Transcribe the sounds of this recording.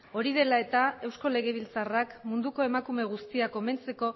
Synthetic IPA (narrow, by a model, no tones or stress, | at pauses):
o̞ɾið̞e̞lae̞t̪ae̞wsko̞le̞ɣ̞e̞β̞ilt͡sarakmund̪uko̞e̞makume̞ɣ̞ust̪iako̞me̞nt͡se̞ko̞